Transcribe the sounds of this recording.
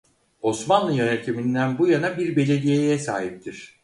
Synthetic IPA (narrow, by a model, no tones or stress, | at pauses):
o̞smanlˠɯjønet̪ʰimind̪ænbujanabiɾbe̞lʲe̞d̪ijejɛsaːɦip̚t̪ʰiɾ̥